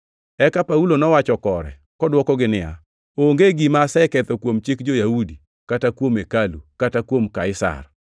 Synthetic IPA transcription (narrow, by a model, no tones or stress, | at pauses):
ɛkapaulonɔwat͡ʃɔkɔɾɛ̰ | kɔdwɔkɔɡɪnɪa̰ | oŋɡeɡimasɛkɛt̪ɔkwomt͡ʃɪkd͡ʒojaudi | katakwomekalukatakwomkaɪsa̰r